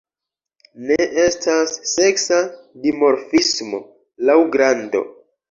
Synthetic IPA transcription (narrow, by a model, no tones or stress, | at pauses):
ne̞ʔe̞stʰasːe̞ksadimo̞ɾfismo̞ | lawɡɾando̞̰